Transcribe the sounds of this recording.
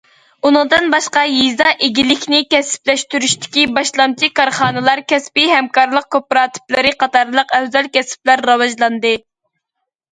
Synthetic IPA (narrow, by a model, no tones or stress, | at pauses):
unɨŋd̪ɨnbɑʃqɑjizɑʔeɡʲilɪkʲnɪkʲɛsɪ̥plɛʃt̪yɾyʃt̪ɪ̥kʲibɑʃlˠɑmt͡ʃʰikɑɾχɑːnɨlˠɑɾkʲʰɛspiɦɛmkɑɾlˠəq̚kʲʰøpːɾɑːt̪ʰɨ̥plˠɨɾɨqʰɑt̪ɑɾlˠəqɛwzɛlkʲɛsɪ̥plæɾːɑwɑʒlˠɑnd̪ɨ